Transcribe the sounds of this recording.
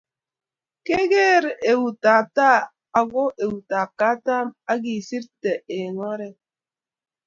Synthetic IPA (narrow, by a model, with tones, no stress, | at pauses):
ke˦ɡe˦˨ɾe˨wu˨ta˨ta˦ | a˨ɡo˦ʔe˨wu˨ta˨ka˦ta˦ma˦ɡi˨si˦tte˨e˨ŋɔ˦ɾe˦